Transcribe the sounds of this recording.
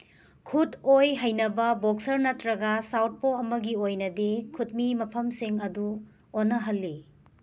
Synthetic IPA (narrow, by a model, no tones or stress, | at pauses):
kʰutojɦɐjnɐbɐbok̚sɐɾnɐtɾɐɡɐsawt̚poɐmɐɡiojnɐdikʰut̚mimɐpʰɐmsiŋɐdu | onːɐɦɐlːi